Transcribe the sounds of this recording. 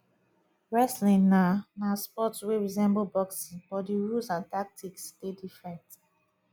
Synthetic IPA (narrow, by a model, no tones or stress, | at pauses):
ɹɛslĩnanaspɔtsweɹizɛ̃mbolbɔksĩb̥ɔtdiɹusãntak̚tʰikstedifɹɛ̃nt